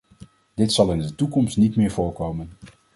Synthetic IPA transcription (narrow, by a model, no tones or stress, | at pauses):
d̥ɪtsɑlˠɪndətukɔmstnitmɪːɹvʊːɹkowmən